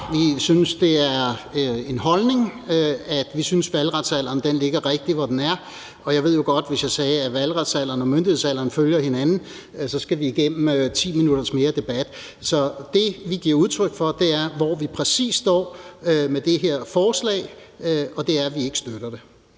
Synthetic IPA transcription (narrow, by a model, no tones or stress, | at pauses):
ʋisynəsd̥e̝æɐe̝nɦɒ̽lne̝ŋæd̥ʋisynsʋælʁad̥sæl̰ɐːnd̥enle̝ɡ̥ɐʁeɡ̥̚d̥iʋɒd̥enæɐ | ɒ̽jɑɪʋe̝ð̞̰ˠjo̝ɡ̥ɒ̽d̥ʋe̝sjɑ̈ɪsɛːæʋælʁɑd̥sæl̰ɐːn̩ɒmønd̥ihe̝ðˠsæl̰ɐːn̩føljɐhe̝nænn̩ | sɒ̽sɡ̥æʋiːɡ̥em̰m̩t͡sʰḭːminuɾ̥ɐsme̝ːɐd̥e̝b̥æd̥ | sɒ̽d̥e̝ʋiɡ̥iɐ̰uð̞ˠt͡sʰʁœɡ̥fɒ̽d̥e̝æɐʋɒʋipʰʁɛsḭːsd̥ɒ̰ːmed̥e̝ɦeɐ̰fɒːslɛ̰ːɪɒ̽d̥e̝æɐʋie̝ɡ̥ə̥sd̥øɾ̥ɐd̥e̝